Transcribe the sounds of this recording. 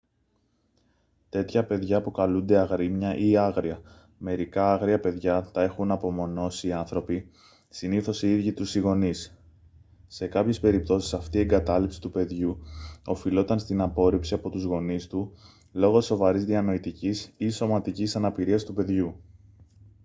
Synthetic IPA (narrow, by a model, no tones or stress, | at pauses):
t̪e̞t̪çɐpe̞ðʝɐpukɐlund̪e̞ɐɣɾimɲɐʔiɐɣɾiɐ | me̞ɾikɐɐɣɾiɐpe̞ðʝɐt̪ɐe̞xunɐpo̞mo̞no̞siːɐnθɾo̞pi | siniθo̞siðʝit̪usiɣo̞nis | se̞kɐpçe̞spe̞ɾip̚t̪o̞si̥sɐft̪ie̞ŋɡɐt̪ɐlipsi̥t̪upe̞ðʝuo̞filo̞t̪ɐnst̪inɐpo̞ɾipsiɐpo̞t̪uzɣo̞nist̪u | lo̞ɣo̞so̞vɐɾizðiɐno̞it̪icisiso̞mɐt̪icisɐnɐpiɾiɐst̪upe̞ðʝu